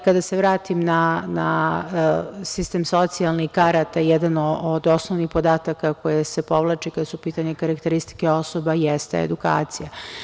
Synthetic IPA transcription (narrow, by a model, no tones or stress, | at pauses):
kad̪aseʋɾaːt̪imnana | sist̪emso̞t̪sialˠnikaɾat̪ajɛd̪anood̪o̞snoʋnixpo̞d̪aːt̪akako̞jesepo̞ʋlˠat͡ʃekad̪asupiːt̪aɲekaɾakt̪eɾist̪i̥keo̞so̞bajɛst̪ḛḛd̪uka̰ːt̪sija